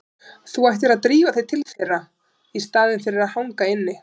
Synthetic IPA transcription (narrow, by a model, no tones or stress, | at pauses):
θuajht̪ɪɾaðt̪ɾiːvaθejt̪ʰɪlθejrːa | ist̪aːðɪnfɪɾɪɾaðhawŋkaɪnːɪ